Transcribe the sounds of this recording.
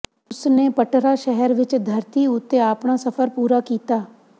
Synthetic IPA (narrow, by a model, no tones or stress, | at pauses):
ʊsneːpəʈɾaːʃɛɦɛɾʋɪt͡ʃd̪ʱəɾt̪iʊt̪ːeaːpɳaːsəpʰəɾpuːɾaːkiːt̪aː